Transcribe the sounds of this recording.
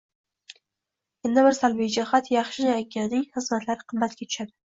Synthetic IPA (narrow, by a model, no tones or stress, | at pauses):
end̪abɪɾsalbijd͡ʒahat̪jɑχʃɪnakʲʰːanɪŋχɨzmat̪ʰlaɾɪqʰɨmːat̪̚kʲat̪ʰʊ̥ʃad̪ɪ